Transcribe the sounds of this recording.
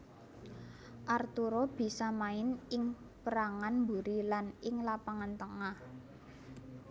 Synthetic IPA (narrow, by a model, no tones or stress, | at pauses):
ʔart̪uɾob̥i̤samaɪnɪŋ | pəɾaŋanmbuɾilanɪŋlapaŋant̪əŋah